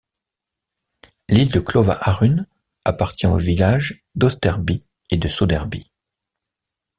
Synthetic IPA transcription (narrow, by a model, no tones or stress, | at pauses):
lild̪əklɔva̰ʔaʁyn | apaʁt̪jɛ̃o̰vilaʒ | d̪ɔst̪ɛʁbi | ed̪əsod̪ɛʁbi